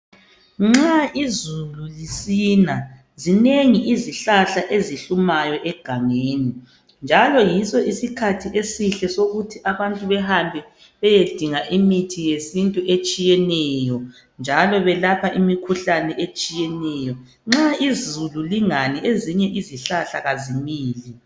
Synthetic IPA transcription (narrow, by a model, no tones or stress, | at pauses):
ŋ͡ǁaizululisiːna | zineŋiʔiziɬaɬaʔeziɬumajɔʔɛɡ̥ʱaŋeːni | nd͡ʒʱalɔjisɔisikʰatʰiesiɬɛsoɣutʰiʔaβantʼuβɛhambʱɛ | βɛjed̥ʱiŋaʔimitʰijesintʼuʔet͡ʃʼijɛnɛjɔ | nd͡ʒʱalɔβɛlapʰaʔimikʰuɬanɛʔet͡ʃʼijɛnɛjɔ | ŋ͡ǁaizululiŋanieziɲɛʔiziɬaɬaɣazimiːli